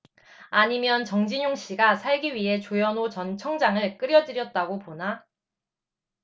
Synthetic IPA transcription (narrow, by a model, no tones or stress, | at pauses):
aɲimjʌnt͡ɕʌŋd͡ʑiɲoŋɕ͈iɡasʰaɭɡiɥiɦe̞t͡ɕojʌnot͡ɕʌnt͡ɕʰʌŋd͡ʑaŋɯɭk͈ɯɾjʌd͡ʑɯɾjʌt̚t͈aɡopona